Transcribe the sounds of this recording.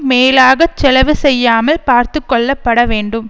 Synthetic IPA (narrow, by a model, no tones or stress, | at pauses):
meːlaːɣɐt͡ʃːɛlɐʋɯsɛjːaːmɐlpaːɾt̪ɯkːɔɭːɐpːɐɽɐʋeːɳɖɯm